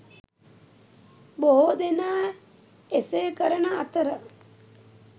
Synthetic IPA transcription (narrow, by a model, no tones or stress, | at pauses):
boɦod̪enaː | esejkəɾənəat̪əɾə